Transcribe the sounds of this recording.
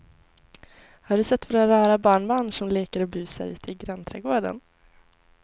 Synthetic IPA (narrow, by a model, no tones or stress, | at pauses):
haɖɵsɛt̪ːvoːɾaɾɑːɾabɑːɳbɑːɳʂɔmleːkəɾɔbʉ̟ːsə̰ɾʉ̟ːt̪ʰɪɡɾɛnt̪ʰɾɛːɡoːɖə̰n